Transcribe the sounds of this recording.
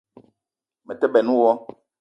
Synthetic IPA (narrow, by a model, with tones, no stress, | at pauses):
mɛ˨tɛ˦bɛ˨nũ˦wɔ˦